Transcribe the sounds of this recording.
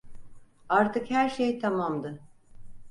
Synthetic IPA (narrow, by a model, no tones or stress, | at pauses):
aɾt̪ʰɯkhæɾʃejt̪ʰamamd̪ɯ